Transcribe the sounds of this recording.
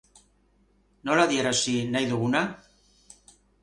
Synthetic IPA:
nolaðjeɾasinajðuɣuna

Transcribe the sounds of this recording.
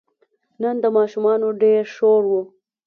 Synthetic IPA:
nənd̪əmɑːʃumɑnoɖeɾʂoɾwu

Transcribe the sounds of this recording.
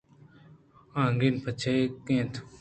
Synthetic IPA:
ãːŋɡiːnpʰət͡ʃʰaekẽːt̪ʰ

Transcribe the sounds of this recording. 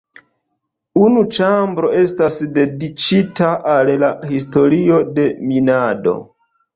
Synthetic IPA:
unut͡ʃambɾo̞e̞stasde̞dit͡ʃitaʔallahisto̞ɾio̞de̞minado̞̰

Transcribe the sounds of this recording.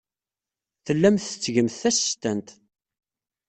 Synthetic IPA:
θəlːæmθə̥t͡sːʝəmθθæst̪ænt̪

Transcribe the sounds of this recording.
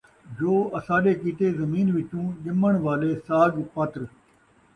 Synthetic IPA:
d͡ʒoːɐsãːɗeːkiːʈ̪eːzɐmiːnʋɪʈũːɗɪməɳ̃ʋaːleːsaːɡpət̪ɾ

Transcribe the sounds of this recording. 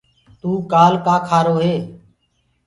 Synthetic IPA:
t̪uːkaːlkaːkʰaːɾoːɦeː

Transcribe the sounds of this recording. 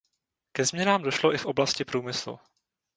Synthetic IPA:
kɛzmɲɛnaːmdo̞ʃlo̞ʔɪfʔo̞blascɪpɾuːmɪslṵ

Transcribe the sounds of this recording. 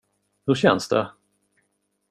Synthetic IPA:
hɵɾɕɛnsd̪ɛ̰

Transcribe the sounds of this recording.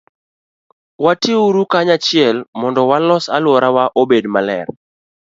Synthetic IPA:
watiuɾukaɲat͡ʃɪɛlmɔndɔwalɔsalwɔɾawaʔobedmalɛ̰r

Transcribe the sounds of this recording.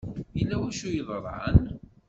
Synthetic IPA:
jilːæwæʃujəðˤɾˤa̰ən

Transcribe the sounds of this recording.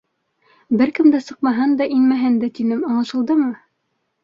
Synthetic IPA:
bɘɾkɘmd̪æsɤ̆qmɑɦɤnd̪ɑʔinmæɦɘnd̪æt̪inɘmɑ̆ɴˠɤ̆ʃɤ̆lˠd̪ɤmɤ

